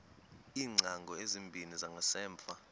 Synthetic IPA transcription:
iːŋ͡ǀʱaŋɡʱɔezimbʱinizaŋɡʱasɛːɱfa

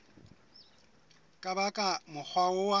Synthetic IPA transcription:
kʼabakʼamʊk͡xʰwaʊwa

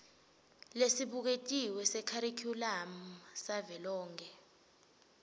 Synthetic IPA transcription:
lesiɓuk̬etʼiwɛsɛkʰaɾikʰulam̩savɛlɔːŋkʰɛ

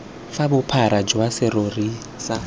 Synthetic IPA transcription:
fabʊpʰaɾad͡ʒwasɪɾori | sa

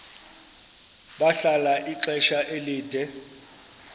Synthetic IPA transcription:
ɓaɬalaʔiǃɛʃaʔeliːd̥ʱɛ

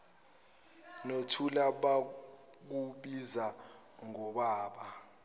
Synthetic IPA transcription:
notʰulaɓa | k̬uɓiza | ŋɔɓaːɓa

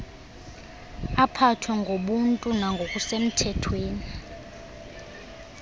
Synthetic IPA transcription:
apʰatʰwɛŋɡʱoɓuntʼunaŋɡʱok̬ʼusem̩tʰɛtʰweːni

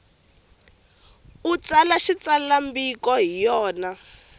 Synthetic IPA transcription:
ut͡salaʃit͡salambikɔɦijɔːna

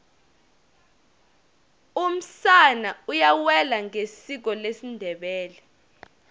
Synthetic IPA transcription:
um̩sanaujawɛlaŋesik̬ɔlesindʱɛɓɛːlɛ

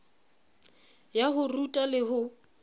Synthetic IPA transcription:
jaɦʊrutʼalɪɦʊ

